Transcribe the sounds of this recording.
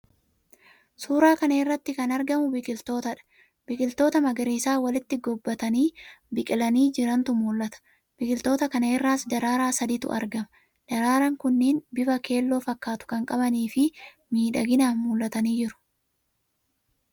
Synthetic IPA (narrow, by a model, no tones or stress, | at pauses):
suːɾaːkɐneɪrːɐt̪ːɪkɐnɐɾɡɐmʊbɪkʼɪlt̪o̞ːt̪ɐᶑɐ̥ | bɪkʼɪlt̪o̞ːt̪ɐmɐɡɐɾiːsaːwɐlɪt̪ːɪɡɔbːɐt̪ɐniːbɪkʼɪlɐniːd͡ʒɪɾɐnt̪ʊmuːlːɐt̪ɐ̥ | b̥ɪkʼɪlt̪o̞ːt̪ɐkɐneɪrːaːsd̪ɐɾaːɾaːsɐd̪iːt̪ʊ̰ʔɐ̰ɾɡɐmɐ̥ | d̪̥ɐɾaːɾɐŋkʊnːiːnbɪfɐke̞ːlːo̞ːfɐkːaːt̪ʊ̥kɐŋkʼɐbɐniːfɪ | miːᶑɐɡɪnaːnmuːlʔɐt̪ɐniːd͡ʒɪɾʊ̥